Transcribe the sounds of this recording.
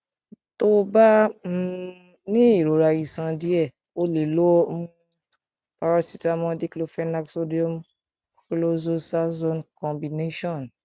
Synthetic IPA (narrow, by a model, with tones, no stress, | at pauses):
to˦ba˦ | nĩ˦i˦˨ɾo˨ɾa˧ji˨sã˧di˦ɛ˦˨ | o˦le˨lo˦ | pa˧ɾa˦si˨ta˦mɔ̃˧di˦ki˦lo˦fɛ˦na˦kso˦di˦o˦m | ki˦lo˦zo˦sa˦zõ˦nkɔ̃˨bi˨ne˦ʃɔ̃˦˨n